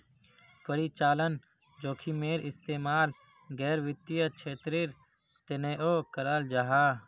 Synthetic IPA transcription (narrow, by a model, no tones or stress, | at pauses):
pəɾit͡ʃaːlən | d͡ʒoːkʰimeːɾɪst̪eːmaːl | ɡɛːɾʋɪt̪ːijət͡ʃʰeːt̪ɾɪɾ | t̪eneʔoːkəɾəld͡ʒaɦaː